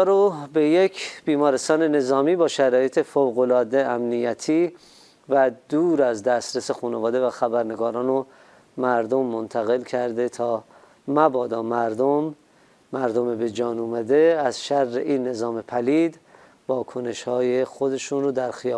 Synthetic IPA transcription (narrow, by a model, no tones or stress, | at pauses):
ɾobejekʰb̥iːmɒːɾest̪ɒːne̞ne̞zɒːmiːbɒːʃæɾɒːje̞t̪ʰe̞fowɣolɒːd̪eæmnijæt̪ʰiː | væd̪uːɾæzd̪æst̪ɾesexuːnevɒːd̪e̞væxæbæɾne̞ɡɒːɾɒːno | mæɾd̪omːont̪ʰæɣe̞lkʰæɾd̪et̪ʰɒː | mæbɒːd̪ɒːmæɾd̪omː | æɾd̪omebed͡ʒɒːnuːmæd̪e̞æzʃærːḛʔiːnːe̞zɒːme̞pʰæliːd̪ | vɒːkʰo̞ne̞ʃhɒːjexod̪e̞ʃuːnɾod̪æɾxiɒː